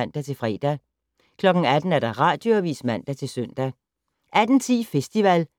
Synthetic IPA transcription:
n̰d̥æt͡sʰe̝lfʁɛ̰ːd̥æ | kʰlɒ̽ɡ̥ŋ̩æd̥n̩æɐd̥ɑ̈ʁɑ̰̈ːd̥jo̝æʋḭːsmæn̰d̥æt͡sʰe̝lsœn̰d̥æ | ʔæd̥n̩t͡sʰḭːfesd̥iʋæl

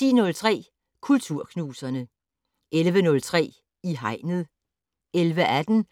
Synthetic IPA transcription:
ḭːnɔ̽lt͡sʰʁɛ̰ː | kʰult͡sʰuɐ̰kʰnuːsɐnə | ʔelʋənɔ̽lt͡sʰʁɛ̰ː | iɦɑ̈ɪnð̩ˠ | elʋəʔæd̥n̩

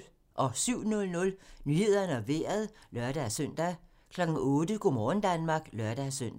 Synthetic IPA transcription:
ʔɒ̽syʊ̰nɔ̽lnɔ̽lnyːhe̝ð̞̰ˠɐnəɒʋeːɐð̞̩ˠlɶɐd̥æsøn̰d̥æ | kʰlɒ̽ɡ̥n̩ɔ̽ːd̥əɡ̥o̝mɒːn̩d̥ænmɑ̈ɡ̥lœɐd̥æsøn̰d̥

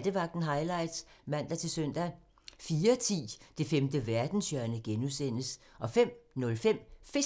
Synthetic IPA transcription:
d̥əʋɑ̈ɡ̥̚d̥n̩ɦɑ̈ɪlɑ̈ɪ̰d̥smæn̰d̥ɑt͡sʰe̝lsœn̰d̥æ | fiːɐt͡sʰḭːd̥e̝femd̥əʋæɐd̥n̩sjœɐnəɡ̥enuðˠsen̰əsʔɒ̽fem̰nɔ̽lfem̰fe

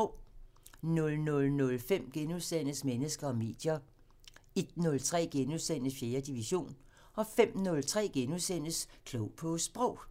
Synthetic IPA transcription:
ʊ̰ | nɔ̽lnɔ̽lnɔ̽lfem̰ɡ̥enuðˠsen̰əsmenəsɡ̥ɐɒ̽me̝̰ːd̥jɐ | e̝d̥nɔ̽lt͡sʰʁɛ̰ːɡ̥enuðˠsen̰əsfje̝ːɐd̥iʋiɕo̝̰ːn | ɒ̽fem̰nɔ̽lt͡sʰʁɛ̰ːɡ̥enuðˠsen̰əskʰlɔʊpʰɒ̽sb̥ʁɔʊ̰

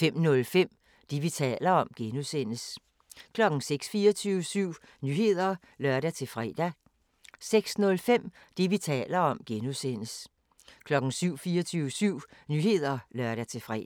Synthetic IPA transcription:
fem̰nɔ̽lfem̰ | d̥iʋit͡sʰɛ̰ːlɐɒ̽mɡ̥enusen̰əs | kʰlɒ̽ɡ̥n̩seɡ̥sfiːɐt͡sʰyəsyʊ̰ | nyhe̝ð̞̰ˠɐ | lɶɐɾæt͡sʰe̝fʁɛ̰ːd̥æ | seɡ̥snɔ̽lfem̰ | d̥iʋit͡sʰɛ̰ːlɐɒ̽mɡ̥enusen̰əs | kʰlɒ̽ɡ̥n̩syʊ̰fiːɐt͡sʰyːʊʋəsyʊ̰nyːhe̝ð̞̰ˠɐlɶɐɾ̥æt͡sʰe̝fʁɛ̰

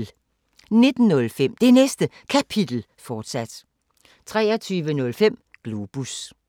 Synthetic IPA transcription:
ne̝d̥n̩nɔ̽lfem̰d̥e̝nesd̥ə | kʰæpʰid̥l̩ | fɒːd̥sæd̥ | t͡sʰʁɛːɐt͡sʰyːʋənɔ̽lfem̰ | ɡ̥lub̥us

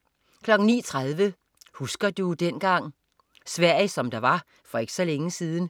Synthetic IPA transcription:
kʰlɒ̽ɡ̥n̩nḭːt͡sʰʁað̞ˠʋə | husɡ̥ɐd̥ud̥en̰ɡ̥ɑ̈ŋ̰ | sʋæɐ̰isɒ̽md̥ɑ̈ʋɑ̈ | fɒ̽e̝ɡ̥ə̥sɒ̽leŋəsiːð̞ˠn̩

